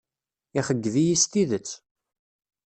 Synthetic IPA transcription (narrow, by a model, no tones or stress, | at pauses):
iχəɡːvijist̪iðət͡sː